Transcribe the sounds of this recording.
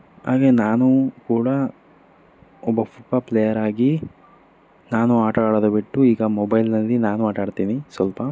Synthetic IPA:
ha̰ːɡenaːnukuːɽɐ | ɔbːɐfupɐplejɐɾaːɡi | naːnuaːʈaːɽɐd̪ɐbiʈːuiːɡɐmɔbɐjlnɐlːinaːnuaːʈaːɽt̪iːnisʋɐlpɐ

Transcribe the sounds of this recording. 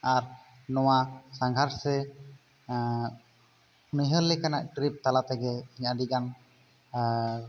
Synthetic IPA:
aɾ | nɔwasaŋɡʱaɾsɛ | uniɦəlːɛkanaʔʈɾip̚t̪alat̪ɛɡɛiɲaɖiɡan

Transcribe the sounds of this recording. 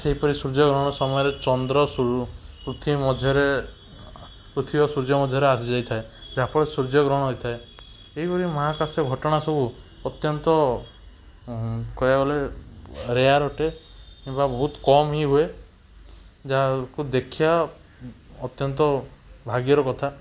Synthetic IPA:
seɦipɔɾisuɾd͡ʒɔɡɾɔɽ̃ɔsɔmɔjɔɾet͡ʃɔnd̪ɾɔupɾut̪ʰimɔd̪ʱjɔɾe | pɾut̪ʰibɔsuɾd͡ʒɔmɔd̪ʱjɔɾeasd͡ʒajt̪ʰaed͡ʒaɦpɔɽesuɾd͡ʒɔɡɾɔɽ̃ɔɦojt̪ʰae | eɦipɔɾimɔɦakaseɡʱɔʈɔɽ̃asɔbʱu | ɔt̪jɔnt̪ɔ | kɔjaɡɔle | ɾejaɾɔʈekimbabɔɦut̪kɔmɦiɦue | d͡ʒakud̪ekʰiaː | t̪jɔnt̪ɔbʱaɡjɔɾɔkɔt̪ʰa

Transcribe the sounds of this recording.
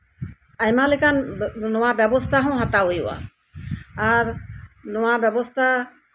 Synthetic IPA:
ajmalekannɔwabjɛbɔst̪ʰaɦɔ̃w̃ɦat̪aojuʔa̰ | aɾnɔwabjɛbɔst̪ʰa

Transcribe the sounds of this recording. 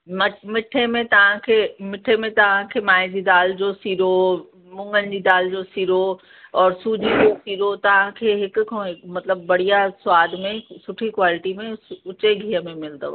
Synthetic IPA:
mɐmɪʈʰemẽt̪ɐʋ̤ãkʰeːmɪʈʰemẽt̪ɐʋ̤ãkʰeːmaːɦɪzid̪aːld͡ʑosiːɾo | mʊ̃ŋɡənɪ̆d͡ʑiːd̪aːld͡ʑosiːɾo | ɔːɾsuːd͡ʑiːd͡ʑosiːɾot̪ɐʋ̤ãkʰeːɦɪkʊkʰõmɐt̪ləbːɐɽ̤ijasʊʋaːd̪mẽsʊʈʰikwaːlɪʈimẽʊt͡ɕeɡʱiːəmẽmɪld̪əʋa̰

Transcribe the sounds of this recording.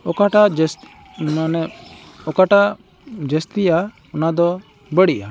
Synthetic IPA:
ɔkaʈas | anɛ | ɔkaʈa | d͡ʒəst̪ija | ɔnad̪ɔ | bəɽiʔa̰

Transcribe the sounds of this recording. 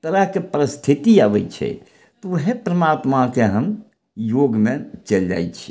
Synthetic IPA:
t̪əɾəɦkepəɾəst̪ʰit̪iabɛt͡ʃʰɛ̰ | t̪ɔɦepɾəmat̪makeɦəm | joɡmet͡ʃəld͡ʒa̰jt͡ʃʰi̥

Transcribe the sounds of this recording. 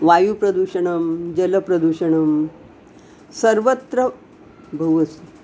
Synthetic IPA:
ʋajupɾɐd̪uɕɐɳ̃ɐmd͡ʑələpɾɐd̪uɕɐɳəm | səɾʋət̪ɾə | bʱɐʋəs

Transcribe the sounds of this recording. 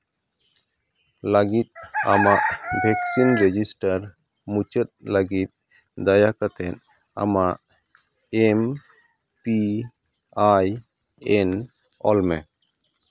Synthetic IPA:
ləɡit̪̚a̰maʔbʱɛksinɾed͡ʒisʈaɾ | mut͡ʃət̪̚ləɡit̪̚ | d̪ajakat̪ɛn | a̰maʔ | em | pi | aj | en | ɔlmɛ

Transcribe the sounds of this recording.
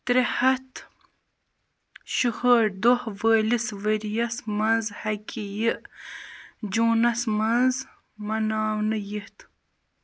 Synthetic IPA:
t̪ɾehɐt̪ | ɕuhəɾd̪ohvəːlisʋəɾjɐsmɐnzhɐkʲijiʔ | d͡ʒuːnɐsmɐnz | mɐnaːwnɨjiht̪

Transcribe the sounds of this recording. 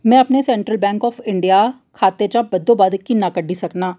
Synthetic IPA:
mɛ̃ɐpnesɛ̃ːɳʈɾəlbɛ̃ːŋkɔːfɪ̃ɳɖija | kʰaːt̪et͡ʃabɐd̪ːobaːd̪əkːinakɐɖʱisɐknaː

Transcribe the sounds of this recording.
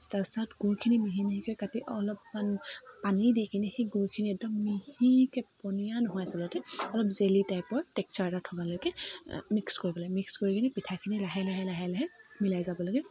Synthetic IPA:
tasaɔtɡuɹkʰinimiɦimiɦikojkatiʔɔlɔpmanpanidikʰinixeɡuɹkʰiniɛk̚dɔmːihikɛpɔnijanɔɦɔjasɛlɔtɛɔlɔpzelitajpɔɹtɛk̚sɔɹɛtatʰɔkalɔjkɛmikskoɹibɔlaɡɛmikskoɹikʰinipitʰakʰinilaɦɛlaɦɛlaɦɛlaɦɛmilajzabɔlaɡɛ

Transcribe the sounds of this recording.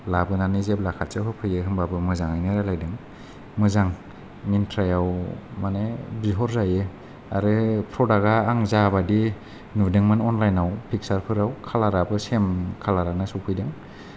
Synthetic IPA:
labɯnanizeb̚lakʰat̚sɯɦɯpʰɯjɯɦɯmbabɯmɯzaŋajnɯɾalajdɯŋ | mɯzaŋ | mintʰɾajawmanebiɦɔɾzajɯ | aɾɯpʰɾɔdaɡaːŋzabadi | nudɯŋmɯnɔnlajnawpʰik̚saɾpʰɯɾawkʰalaɾabɯsemkʰalaɾanasupʰɯjdɯŋ

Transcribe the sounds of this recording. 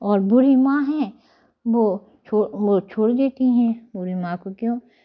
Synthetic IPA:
ɔːɾbʊɾimãːɦɛ̃ | ʋoː | t͡ʃʰoːot͡ʃʰoːɽd̪eːt̪iɦɛ̃ːbʊɾimãkokjõː

